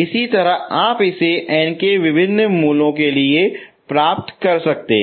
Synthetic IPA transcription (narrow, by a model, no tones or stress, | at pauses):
ɪsit̪ɐɾəɦaːpɪseʔɛːnkeʋɪbʱɪnːəmuːlõkeliepɾaːp̚t̪kɐɾsɐk̚t̪ḛ̃ː